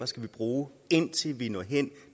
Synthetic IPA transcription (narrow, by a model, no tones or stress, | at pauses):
ɐsɡ̥æʋib̥ʁuː | e̝n̰t͡sʰe̝lʋinɒ̰̽ɦen̰